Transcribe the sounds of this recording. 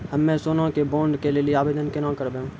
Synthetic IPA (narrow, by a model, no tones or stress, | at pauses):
hɐmːɛ̃ːsoːnõkebõːɳɖkelelieaːʋeːd̪ənkenãːkəɾbẽːɦũ